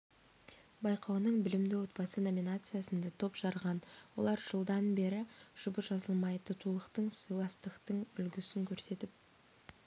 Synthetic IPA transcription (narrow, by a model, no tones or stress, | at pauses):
bɑjqɑwnəɴbɪlɪmd̪ɪwo̞t̪̚bɑsəno̞mʲinat̪sɨjasənd̪ɑt̪ʰo̞pʒ̥ɑɾʁɑnwo̞̰lˠɑɾʒ̥əlˠd̪ɑnbe̞ɾɪʒ̥ʊbəʒɑzəlˠmɑjt̪ət̪ʰulˠəqt̪əɴsɨjlˠɑst̪əqt̪əɴʏlɡʲɪsɪŋkʲʰɵɾse̞t̪ɪp̚